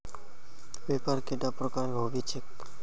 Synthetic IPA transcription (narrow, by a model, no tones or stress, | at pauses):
bepaɾkeʈapɾokaɾbʱobit͡ʃʰek